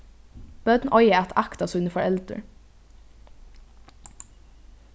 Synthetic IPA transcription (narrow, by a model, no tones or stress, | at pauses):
b̥œd̪nʔɔʏəæt̪ʰɑkt̪ɑsʉnəfɔɹɛld̪ə̰ɹ